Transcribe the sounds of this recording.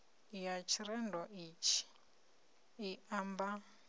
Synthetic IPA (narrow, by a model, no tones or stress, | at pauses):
ijat͡ʃʰiɾɛndɔʔit͡ʃʰi̥ | iʔamba